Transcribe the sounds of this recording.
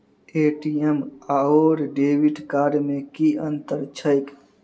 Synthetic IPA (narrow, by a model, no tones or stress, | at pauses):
eːʈiemaoːɾɖeːʋiʈkaːɾmẽkiə̃nt̪əɾt͡ʃʰəɪk